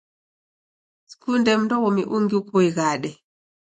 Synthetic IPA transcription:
skundɛmndɔwɔmḭʔuŋɡiukɔiɣaɗɛ

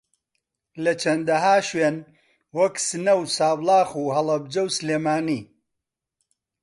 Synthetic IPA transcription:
lɐt͡ʃʰɐnd̪ɐɦaːʃweːn | wɐksɨnɐwsaːblˠɑːxuːɦɐlˠɐb̚d͡ʒɐwsɨleːmaːniː

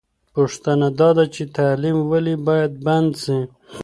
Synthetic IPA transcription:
puʂt̪anad̪ɑd̪at͡ʃet̪aːlimwalibɑjad̪̚band̪si

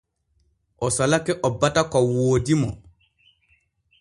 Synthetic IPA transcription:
ʔɔsɔlakɛʔɔbːatakɔwoːdimɔ

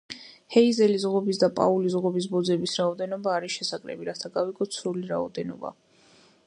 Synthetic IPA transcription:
hɛizɛlizʁɔbisd̪apʼa̰ulizʁɔbis̬bɔd̪zɛbisɾaɔd̪ɛnɔbaːɾiʃɛsakʼɾɛ̰biɾat̪ʰaɡaviɡɔt̪sʰɾuliɾa̰ɔ̰d̪ɛnɔ̰ba̰

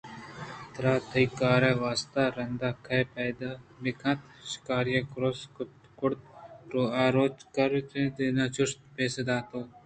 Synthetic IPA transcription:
t̪ɾaːt̪ʰɐikaːɾeʋaːst̪aɾɐnd̪akʰɐjpɐd̪amɪkʰɐ̃t̪ | ʃɪ̥kaːɾjɐkɾos | kʊɽt̪ɾoːaːɾoːt͡ʃkɐɾt̪ẽd̪eːnat͡ʃʊst̪peːsed̪aːt̪oː

